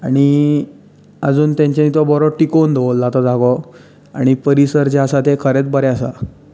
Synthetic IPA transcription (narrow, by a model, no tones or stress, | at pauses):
aɽ̃i | əd͡zuːnt̪jãɲt͡ɕanit̪ɔbɔɾɔʈikond̪ʱolːat̪ɔd͡zaɡɔ | aɽ̃ipəɾisəɾt͡ɕasat̪ekʰəɾet͡sbəɾɛasa̰